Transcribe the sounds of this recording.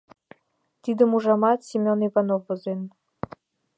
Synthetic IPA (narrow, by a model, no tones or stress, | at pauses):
t̪id̪ə̆muʒɑmɑt̪sʲimʲonivɑnofːŏzen